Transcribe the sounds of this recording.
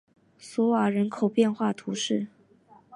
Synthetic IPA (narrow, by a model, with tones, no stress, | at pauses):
swɔ˧˥wa˨˩ɻə˧˥nkʰo˨˩ʊpjɛ˥˧nxwa˥˩t̪ʰu˧˥ʂɻ̩˥˩